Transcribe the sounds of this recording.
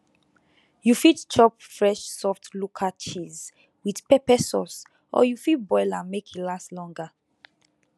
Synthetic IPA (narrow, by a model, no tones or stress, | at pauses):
jufitt͡ʃʰɔp̚fɹɛʃsɔftlukʰat͡ʃiz | wið̥pɛpɛsɔs | ʔɔ̰jufit̚bɔɪlamekilaslɔ̃ŋɡa